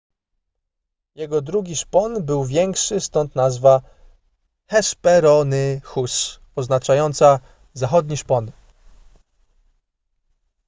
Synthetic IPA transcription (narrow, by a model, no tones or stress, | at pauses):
jɛɡɔd̪ɾuɡʲiʂpɔnbɘwvʲjɛŋkʂɘst̪ɔnt̪nazva | xɛʂpɛɾɔnɘxus | ɔznat͡ʂajɔnt̪sa | zaxɔd̪ɲiʂpɔn